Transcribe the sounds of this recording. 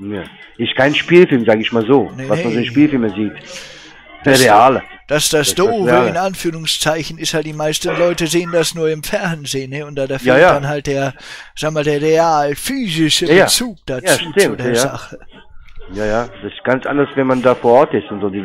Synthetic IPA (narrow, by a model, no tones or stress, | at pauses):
na | ʔɪstkʰaɪnʃpiːlfɪlmzaːɡəɪçmaːlzoːnevamanzoɪnʃpiːlfɪlmɛziːt | d̥ɐsʁeaːlə | d̥asd̥asd̥oːvəɪnʔanfyːʁʊŋst͡saɪçn̩ɪsthaltd̥iːmaɪstn̩lɔʏtəzeːəndasnuːɐɪmfɛɐnzeːənːəʊntd̥aːdɛɐfjaːjadanɦalt̚d̥eːɐzaːɡŋəmaːldeːɐʁeaːlfyːzɪʃəajat͡suːk̚d̥ajt͡saʃuːtɪmutdeɐjzaχə | jaːjaːd̥asɪ̥s̚ɡ̥ant͡sʔa̰ndɐsvɛnmandaːfoːɐʔɔɐtɪstʊntz̥oːdiː